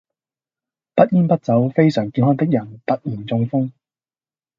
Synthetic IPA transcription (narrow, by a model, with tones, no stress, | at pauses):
pɐ˥t̚jiː˥npɐ˥t̚t͡sɐ˨˥wfe˥jsœː˨˩ŋkiː˨˥nɦɔː˥ŋt̪ɪ˥k̚jɐ˨˩nt̪ɐ˥t̚m̩˨˩t͡sʊ˧ŋfʊ˥ŋ